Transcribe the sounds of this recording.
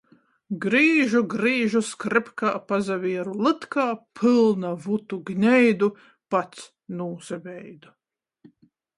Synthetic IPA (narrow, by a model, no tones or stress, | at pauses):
ɡɾiːʒuɡɾiːʒuskɾɛpkaːpazavʲiɛɾulˠɨt̪kaːpʰɨlˠnavut̪uɡnʲɛjd̪u | pat̪s | nuːzavʲɛjd̪u